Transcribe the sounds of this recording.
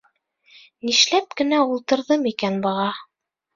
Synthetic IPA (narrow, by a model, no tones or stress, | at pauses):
niʃlæp̚kɘ̆næulˠt̪ɤ̆ɾðɤmikænbɤ̆ʁɑ